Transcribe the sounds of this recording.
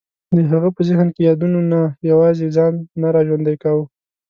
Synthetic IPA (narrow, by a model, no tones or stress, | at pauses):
d̪əɦaɣapəzəhnkejɑd̪unonajawɑzezɑnːaɾɑʒwand̪ajkawu